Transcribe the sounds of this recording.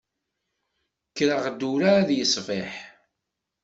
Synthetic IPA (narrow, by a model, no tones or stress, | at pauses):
kːɾəʁd̪uɾaæðjəsˤvɪħ